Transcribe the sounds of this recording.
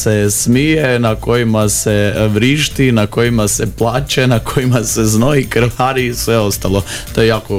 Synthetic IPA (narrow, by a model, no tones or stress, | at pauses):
sesmijenako̞jimaseʋɾiʃt̪inako̞jimaseplˠaːt͡ʃenakʰojimaseznoikɾ̩ʋaɾisʋeo̞st̪alo̞ | t̪ojejaːko